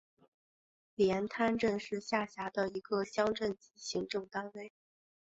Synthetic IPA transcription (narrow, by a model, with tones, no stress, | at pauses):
ljɛ˧˥nt̪ʰa˥nʈ͡ʂə˥˧nʂɻ̩˥˧ɕja˥˩ɕja˧˥d̪ə˧i˧˥ɡə˧ɕjɑ˥ŋʈ͡ʂə˥˩nt͡ɕi˧˥ɕi˧˥ŋʈ͡ʂʊ˥˩ŋt̪a˥nwe˥ɪ